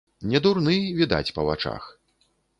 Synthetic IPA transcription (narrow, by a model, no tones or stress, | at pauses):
nʲɛd̪urnɨvʲid̪a̰t͡sʲpɐvat͡ʂa̰x